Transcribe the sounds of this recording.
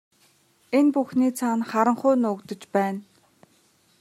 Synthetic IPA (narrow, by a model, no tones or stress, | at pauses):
enpuxniːt͡sʰanχaɾə̆ɴχʊːnʊkt̪ɵ̆t͡ɕpæːn